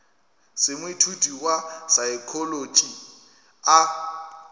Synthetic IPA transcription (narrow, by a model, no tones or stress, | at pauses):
sɪmʊitʰutʼiwasaɪkʰɔlot͡ʃʼi | a